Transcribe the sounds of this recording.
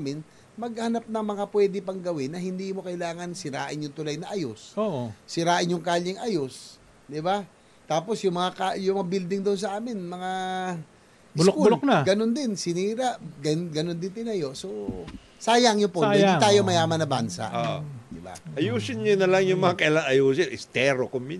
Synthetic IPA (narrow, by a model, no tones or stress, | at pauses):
mɪn | mɐɡ̚hɐnap̚nɐŋmɐŋapwɛːd̪ɪpɐŋɡɐwɪnːɐhɪnd̪iːmo̞kɐɪlaːŋɐnsɪɾa̰ːʔɪnjʊŋt̪ʊlajnɐʔɐjosoːɪɾaːʔɪnjʊŋkaːʎɪŋʔajos | d̪ɪba | t̪aːpo̞sjʊŋmɐŋakajʊmɐŋabild̪ɪŋd̪oʔʊns̬ɐʔaːmɪnmɐŋa | ʔllokuloknaɡɐnond̪ɪnsɪniːɾaʔɡɐɡɐnond̪ɪnt̪ɪnɐjo̞ʔso | saːjɐŋjʊpoɪnd̪it̪aːjomɐjaːmɐnɐbansa̰ʔod̪ɪba̰ʔɐjuːsɪnɲonɐlaŋjʊŋmɐŋakɐʔɪlaŋɐjuːsɪʔɪst̪ɛɾokʊmːɪ